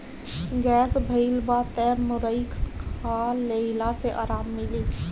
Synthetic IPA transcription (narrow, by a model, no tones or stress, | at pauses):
ɡɛsbʱəɪlbat̪ɛmʊɾəɪkskʰaleɪlaseʔaːɾamːili